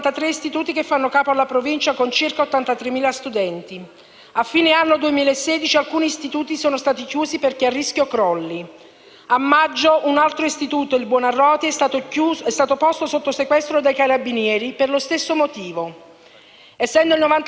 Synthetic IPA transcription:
t̪at̪ɾeist̪it̪uːt̪ikefːanːokaːpoalːapɾovint͡ʃakont͡ʃirkaot̪ːant̪at̪ɾemːiːlast̪ud̪ɛnt̪i | afːiːneanːod̪uemiːlaesːɛːd̪it͡ʃialkuːniːst̪it̪uːt̪isoːnost̪aːt̪ikjuːziperkearːisk̟jokɾɔlːi | amːad͡ʒːoʔunalt̪ɾoist̪it̪uːt̪oilbwɔnarːɔːt̪iɛ | ɛst̪aːt̪opost̪osot̪ːosekwɛst̪ɾod̪ejkaɾabinjɛːɾiperlost̪esːomot̪iːvo | ɛsːɛnd̪oilnovant̪

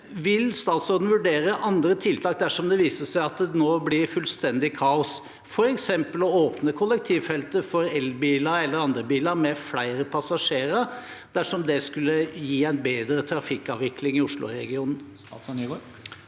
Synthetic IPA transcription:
ʋɪlst̪ɑːt̪sɔɾd̪n̩ʋʉɖeːɾəʔɑnd̪ɾət̪ʰɪlt̪ʰɑːk̚d̪æʂɔmd̪ɛʋiːsəʂæɪɑt̪noːblɪɾfʉlst̪ɛnd̪ɪkʰɑːʊs | fɔɾɛksɛmpəlɔoːpnəkʰʊlːɛk̚t̪ʰiːʋfɛlt̪əfɔɾɛlbiːlɑɾɛlːəɾɑnd̪ɾəbiːlɑɾmɛflæɪɾəpʰɑsɑʂeːɾə | d̪̥æʂɔmd̪ɛskʉlːəjiːæɪnbeːd̪ɾət̪ʰɾɑfɪkːɑ̰ːʋʋɪklɪŋɪʊʂlʊ̰ɾɛ̰ɡɪuːnən̩sɡ

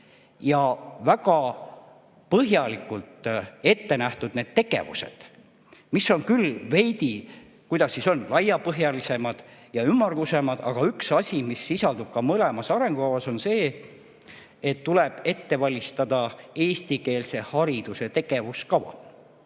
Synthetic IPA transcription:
jɑvæɡ̥ɑ | pɤɦjɑlikːˑult̪e̞t̪ːe̞næht̪ud̪̥ne̞ːd̪̥t̪e̞ɡ̥e̞̰vṵse̞̰d̪̥ | miso̞nkylve̞jd̪i | kujd̪̥ɑsːiso̞nlɑjɑpɤɦjɑlise̞mɑd̪̥jɑymːɑrɡ̥use̞mɑd̪̥ɑ̰ɡ̥ɑyksɑsʲimisːisɑld̪ub̥̚kɑmɤle̞mɑsɑɾe̞ŋɡ̥ukɑvɑso̞nse̞ː | et̪ːuleb̥e̞t̪ːe̞vɑlʲist̪ɑd̪ɑe̞ːst̪ike̞ːlse̞hɑɾid̪̥use̞t̪e̞ɡ̥e̞vuskɑvɑ̰

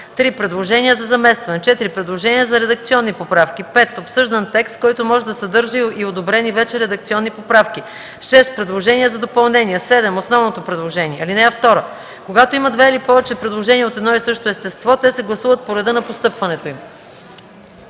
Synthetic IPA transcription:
t̪ɾipɾɛd̪lˠoʒɛniəzɐzɐmɛst̪vɐnɛt͡ʃɛt̪iɾipɾɛd̪lˠoʒɛniəzɐɾɛd̪ɐk̚t̪siɔnːipopɾafkʲipɛt̪opsɤʒd̪ɐnt̪ɛkst̪kɔjt̪omɔʒɛd̪ɐsɐd̪ɤɾʒəiod̪obɾɛnivɛt͡ʃɛɾɛd̪ɐk̚t̪siɔnːipopɾafki | ʃɛst̪̚pɾɛd̪lˠoʒɛnʲiəzɐd̪opɐlˠnɛniəsɛd̪ɛmosnɔvnot̪opɾɛd̪lˠoʒɛnʲiɛɐlinɛɐft̪ɔɾə | koɡat̪oimɐd̪vɛilipɔvɛt͡ʃɛpɾɛd̪lˠoʒɛniɛot̪ɛd̪nɔisɤʃt̪oɛst̪ɛst̪vɔt̪ɛsɛɡlˠɐsuvɐt̪̚poɾɛd̪ɤnɐpost̪ɤpvɐnɛt̪oim

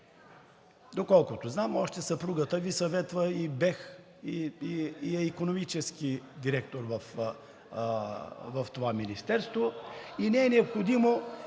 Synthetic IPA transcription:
d̪okɔlˠkʊt̪oznamɔʃt̪ɛsɐpɾuɡət̪əvisɐvɛt̪vəibɛx | iiiɛikonomit͡ʃɛskid̪iɾɛk̚t̪oɾvɐf | vɐft̪ovaminist̪ɛɾst̪voinɛɛnɛopxod̪imo

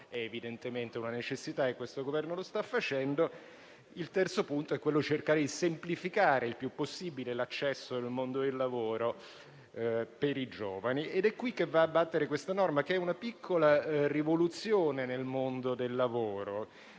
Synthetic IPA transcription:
ɛevid̪ent̪ement̪eunanet͡ʃesːit̪aekːwest̪oɡovɛrnolost̪afːat͡ʃɛnd̪o | ilt̪ɛrt̪sopunt̪oɛkːwelːodit͡ʃerkaːɾed̪isemplifikaːɾeilpjupːosːibilelat͡ʃːɛsːod̪elmond̪od̪elːavoːɾo | peɾid͡ʒoːvanied̪ɛkːwikːevːaːbːat̪ːeɾekwest̪anɔrmakeɛunapikʰːolarivolut̪sːjoːnenelmond̪od̪elːavoːɾo

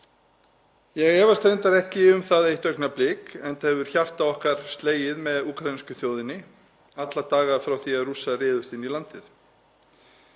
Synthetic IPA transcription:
jɛɣɛːvast̪ɾejnt̪aɾɛhcɪʏmθaðejht̪œɥknaplɪːkɛnt̪ɛvʏɾ̥çar̥t̪aɔhkaɾ̥st̪leːjɪðmɛðuːkɾajniscʏθjoːwðɪnɪ | at̪lat̪aːɣafɾawθiaðruːsarɪːðʏst̪inilant̪ɪθ

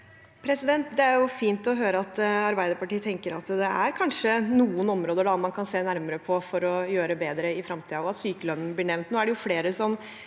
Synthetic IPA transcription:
pʰɾɛsɪd̪ɛnt̪d̪ɛæɾjʊfiːnt̪ɔɦøːɾəɑt̪ɑɾbæɪd̪əɾpɑʈiːt̪ʰɛŋkəɾɑt̪d̪ɛæɾkʰɑnʂənuːənɔmɾoːd̪əɖɑmɑnkʰɑnseːnæɾməɾəpʰɔfɔɾɔjøːɾəbeːd̪ɾəɪfɾɑmt̪ʰiːɔɑt̪syːkəlœnːnblɪɳɛʋnt̪noːæɖɛjʊfleːɾəsɔm

